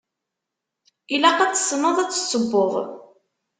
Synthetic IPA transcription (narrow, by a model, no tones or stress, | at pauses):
ilæqæt͡sːə̥sːnəðˤæt͡sːə̥sːəbːʊʁ